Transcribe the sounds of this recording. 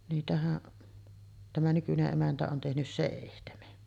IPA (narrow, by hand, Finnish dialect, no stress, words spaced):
niːtæhæʔ tæmæ nykyneʔ ʔemæntæ on tehnys seˑihtemen